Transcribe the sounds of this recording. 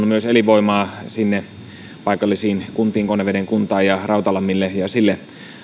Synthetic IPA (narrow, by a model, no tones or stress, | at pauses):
umyøseliʋoimɑːsinːe | pɑikɑlːisiːnkunt̪iːŋkoneʋedeŋkunt̪ɑːjɑrɑut̪ɑlɑmːilːejɑsilːe